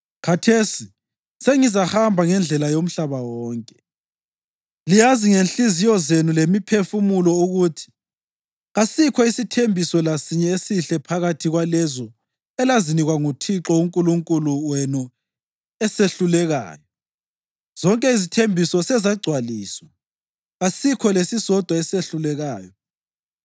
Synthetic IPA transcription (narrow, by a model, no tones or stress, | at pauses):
kʰatʰesi | seŋizahambʱaŋɛnd͡ɮʱɛlajom̩ɬaβawɔːŋkʼɛ | lijaziŋenɬizijɔzenulemipʰefumulɔuɣutʰi̥ | ɣasikʰɔisitʰembʱisɔlasiɲɛesiɬɛpʰaɣatʰiɣwalɛzɔ | ɛlaziniɣwaŋutʰiǁɔuŋkʼuluŋkʼuluwenu | ɛseɬulɛɣa̰ːjɔ | z̥ɔŋkʼɛizitʰembʱisɔsɛzaɡ͡ǀʱwaliːswa | ɣasikʰɔlesisɔd̥ʱwaɛseɬulɛɣaːjɔ